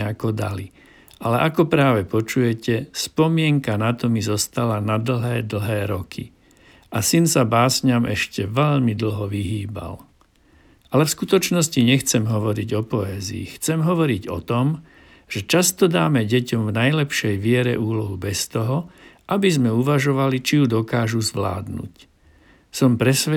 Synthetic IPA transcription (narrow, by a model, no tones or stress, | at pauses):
akɔd̪a̰li | alɛʔakɔpɾaːʋɛpɔt͡ʃujɛcɛspɔmɪɛŋkanat̪ɔmizɔst̪alanad̪l̩ɦɛːd̪l̩ˠɦɛːɾɔkʰi | asinsabaːsɲamɛʃcɛʋɛʎmid̪l̩ɦɔʋiɦiːba̰l | ʔalɛfskut̪ɔt͡ʃnɔsciɲɛxt͡sɛmɦɔʋɔɾiɟɔpɔɛːzḭːxt͡sɛmɦɔʋɔɾiɟɔ̰t̪ɔm | ʒ̥ɛt͡ʃast̪ɔd̪aːmɛɟɛcɔmvnajlɛpʃɛjʋɪɛɾɛ̰ʔuːlɔɦubɛst̪ɔɦɔʔabizmɛuʋaʒɔʋalit͡ʃijud̪ɔkaːʒuzʋla̰ːd̪nṵc | sɔmpɾɛsɛ